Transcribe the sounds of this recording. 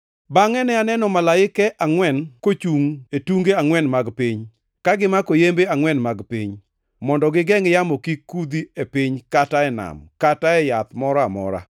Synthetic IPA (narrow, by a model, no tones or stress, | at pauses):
baŋɛnɛanɛnɔmalaɪkɛʔaŋwɛnkot͡ʃuŋetuŋɡeaŋwɛnmaɡpiɲ | kaɡɪmakojembeaŋwɛnmaɡpiɲ | mɔndɔɡɪɡɛŋɪjamɔkikːud̪iepiɲkataɛna̰mkataɛjat̪mɔɾɔamɔ̰ɾa̰